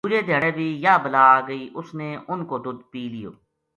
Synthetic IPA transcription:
uːd͡ʒeːd̪ʱeːɽeːbʱiːjaːbəlaːɡəiːʔʊsneːʊnkoːd̪ʊd̪piːlɪjo̰ː

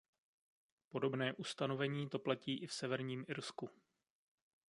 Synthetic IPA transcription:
po̞do̞bnɛːʔust̪ano̞vɛɲiːt̪o̞placiːʔɪfsɛvɛɾɲiːmʔɪɾsku

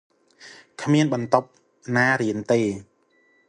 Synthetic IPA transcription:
kʰmiənɓɑnt̪op̚ | naːɾiənt̪eː

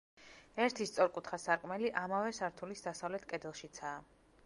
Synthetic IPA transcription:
ɛɾt̪ʰist̪sʼɔɾkʼut̪ʰχasaɾkʼmɛliʔamavɛsaɾt̪ʰulisd̪asavlɛt̪ʰkʼɛd̪ɛlˠʃit̪sʰaː

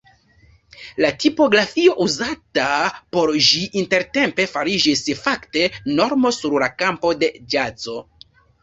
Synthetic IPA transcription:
latipo̞ɡɾafio̞ʔuzatapo̞ɾʒiʔinte̞ɾte̞mpe̞faɾid͡ʒisfakte̞no̞ɾmo̞suɾlakampo̞de̞d͡ʒat͡so̞

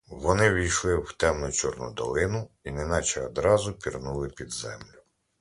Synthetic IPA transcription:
ʋɔnɪʋʲijʃlˠɪwt̪ɛmnʊt͡ʃɔrnʊ̰d̪ɔlˠɪnʊinɛnɑt͡ʃɛɔd̪ɾɑzʊpʲirnulˠɪpʲid̪zɛ̰mlʲʊ

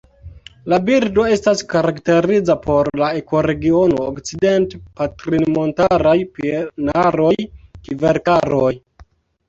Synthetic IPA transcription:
labiɾdo̞e̞staskaɾakte̞ɾid͡zapo̞ɾlae̞ko̞ɾe̞ɡio̞noːkt͡side̞ntepatɾinmo̞ntaɾajpenaɾo̞jkiveɾkaɾoj

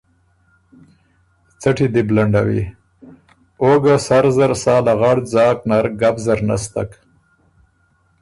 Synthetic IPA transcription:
t͡saʈid̪iblaɳɖawḭ | oɡasaɾzaɾsɑːlaɣaɽd͡zɑːknaɾɡabzaɾna̰st̪a̰k

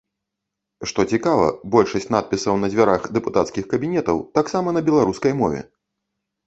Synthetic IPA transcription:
ʂt̪ɔt͡sʲikavɐ̰bɔlʲʂɐsʲt͡sʲnat̪̚pʲisɐwnɐzʲvʲaɾaxd̪ɛput̪at̪skʲixkɐbʲinʲɛt̪ɐwt̪aksamɐnɐbʲɛlˠaɾuskɐjmɔvʲɛ̰

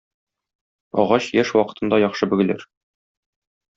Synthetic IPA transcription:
ɒ̰ʁɑɕjæʃwɒqɤ̥̆t̪ʰɤ̆nd̪ɑjɒχʃɤbɘ̆ɡɘ̆lɘ̰ɾ

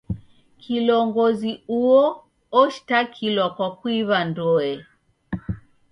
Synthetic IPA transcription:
kʰilɔŋɡɔziuɔ | ɔʃi̥takʰilwakwakwiβandɔɛ

